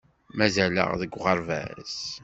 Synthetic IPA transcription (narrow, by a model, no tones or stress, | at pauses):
mæzælə̰ʁðəɡʷʁəɾˤvæ̰z